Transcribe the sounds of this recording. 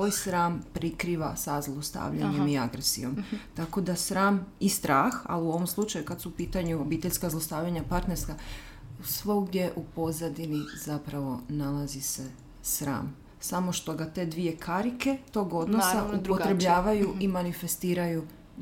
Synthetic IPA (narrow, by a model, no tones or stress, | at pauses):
oːjsɾaːmpɾikɾiːʋasazlˠo̞st̪a̰ːʋʎa̰ɲe̞miaɡɾesḭjo̞mt̪ako̞d̪asɾaːmist̪ɾaːxa̰liuo̞ʋo̞mslˠut͡ʃajukad̪suupiːt̪aɲuobiːt̪e̞ʎskazlˠost̪aːʋʎaɲapaɾt̪neɾska | sʋoɡd̪je̞ʔupo̞zad̪iniz̥apɾaʋo̞nalazise̞ | sɾa̰ːm | samo̞ʃt̪o̞ɡat̪e̞ːd̪ʋije̞kʰaɾike̞t̪o̞ːɡo̞d̪nosauot̪ɾebʎaːʋajuimanife̞st̪iːɾaju